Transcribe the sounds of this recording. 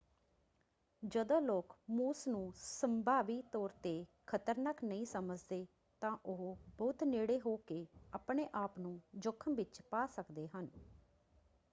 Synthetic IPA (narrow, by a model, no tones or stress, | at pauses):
d͡ʒəd̪õːloːkmuːsnũːsəmbʱaːʋiːt̪ɔːɾt̪eːkʰət̪əɾnaːknəĩːsəməd͡ʒd̪eː | t̪ãːʔʊɦbɔʊt̪neːɽeːɦoːkeːaːpɳeːʔaːpnũːd͡ʒʊkʰːəmʋɪt͡ʃpaːsəkd̪eːɦən